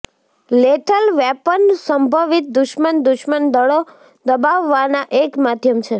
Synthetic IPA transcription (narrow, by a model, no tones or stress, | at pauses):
leʈʰəlʋɛpənsəmbʱəʋit̪̚d̪ʊʃmənd̪uʃmənd̪əɭo | d̪əbaʋːanaʔekmad̪ʱjəmt͡ʃʰe